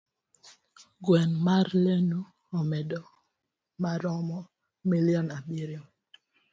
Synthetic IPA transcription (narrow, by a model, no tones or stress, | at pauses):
ɡwɛnmaɾlenu | ɔmɛdɔ | maɾɔmɔ | milijɔnabiɾjo